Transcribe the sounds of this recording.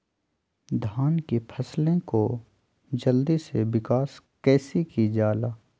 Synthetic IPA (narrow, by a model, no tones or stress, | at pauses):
d̪ʱaːnkepʰɐslẽko | d͡ʒəld̪isewɪkaːskɛːsikid͡ʒaːlaː